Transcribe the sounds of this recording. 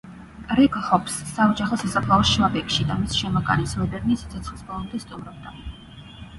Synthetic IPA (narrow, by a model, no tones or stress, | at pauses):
ɾɛɡhɔpsːaɔd͡ʒaχɔsasapʰlˠaɔʃvabɛkʃid̪amisʃɛmɔkʼa̰nismɛbɛɾnisit̪sʰɔt̪sʰχlˠisbɔlˠɔmd̪ɛst̪ʼumɾɔbd̪a